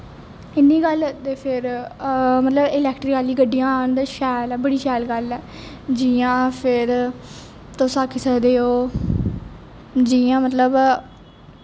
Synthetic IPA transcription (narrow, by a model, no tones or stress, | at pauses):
ɪnːiːɡəlt̪eːpʰɪɾ | mət̪ləbɪlɛːkʈɾɪkaːliːɡəɖːijãːnd̪ʃɛːlːbəɽiːʃɛːlɡəlɛː | d͡ʒiːãːpʰɪɾ | t̪osaːkʰɪsəɾd̪eːoː | d͡ʒiːãːmət̪ləb